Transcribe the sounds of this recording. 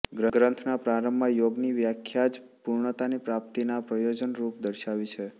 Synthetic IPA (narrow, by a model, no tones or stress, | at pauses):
ɡɾəɡɾənt̪ʰnapɾaɾəmbʱajoɡniʋjakʰjad͡ʒpuɾɳət̪anipɾap̚t̪inapɾəjod͡ʒənɾupd̪əɾʃaʋit͡ʃʰe